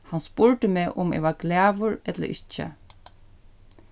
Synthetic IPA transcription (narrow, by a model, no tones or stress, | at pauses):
hanspʊɹt̪əmeːʔʊmḛːʋaklæːʋʊɹɛt̪lə̰ʔɪt͡ʃːə̰